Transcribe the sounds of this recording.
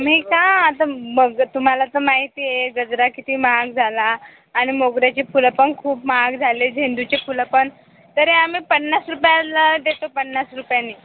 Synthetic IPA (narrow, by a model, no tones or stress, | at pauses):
am̤iːkãːt̪aməɡt̪um̤alat̪əmaɦit̪iːjeɡəd͡zɾakit̪ʰiːmaɡ̚d͡zʱalaː | ɽ̃imoɡɾjat͡ɕepuləpənkʰuːpmaɡd͡zʱaled͡zʱend̪ut͡ɕepʰuləpəɳ | t̪əɾeam̤iːpəɳːasɾupjaləd̪et̪opəɳːasɾupjanːiː